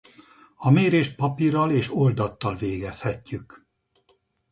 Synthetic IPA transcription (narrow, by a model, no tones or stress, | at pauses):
ɒmeːɾeːʃt̪̚pɒpiɾɒleːʃo̞ld̪ɒt̪ːɒlveːɡɛshɛcːyk